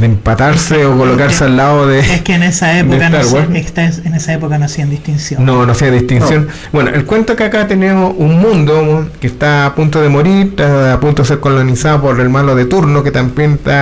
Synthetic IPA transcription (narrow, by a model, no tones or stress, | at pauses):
ðempat̪aɾseokolokaɾsealːaoðeekeːnesaedoekat̪aɾwaɾe̥t̪asenesaepokanoasiand̪ist̪insjononoasiand̪ihst̪insjon | bwe̞no̰ʔelkwe̞nt̪okakat̪enemosunmũnd̪okest̪aːpunt̪oðemo̞ɾiɾt̪aapunt̪oes̬eɾkolonisaðopoɾelmaloðet̪uɾnoket̪ambjent̪a